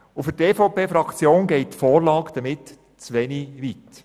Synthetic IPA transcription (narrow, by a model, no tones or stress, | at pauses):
ʊfʏɾteːfopeːfɾɑkt͡sjoːnɡɛɪt̚tfɔːɾlɑːkd̥əmɪt | t͡sʋɛniʋit